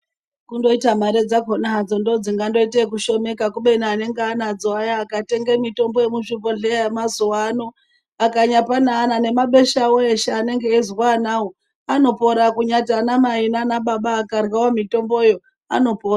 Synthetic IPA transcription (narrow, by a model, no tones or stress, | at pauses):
kundo̞itamaɾe̞d͡zakonaɦad͡zondo̞d͡ziŋɡando̞itekuʃo̞me̞kakuɓe̞naːne̞ŋɡeanad͡zoajaːkate̞ŋɡe̞mito̞mbojemuʃuponɮeemazuwano | akaɲapanaːnane̞maɓe̞ʃawoeʃeane̞ŋɡeːzwanawo | ano̞po̞ɾakuɲatanamainanaɓaɓaːkarwawomito̞mbo̞jo̞ | a̰no̞poːra